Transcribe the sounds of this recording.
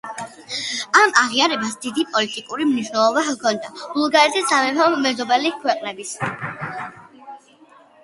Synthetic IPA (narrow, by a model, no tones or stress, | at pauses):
amaʁiaɾɛbasd̪id̪ipʼɔlit̪ʼikʼuɾimniʃnɛlˠɔbakʰɔnd̪abulˠɡaɾɛt̪ʰisamɛpɔmɛzɔbɛlikʰwɛqʼnɛbis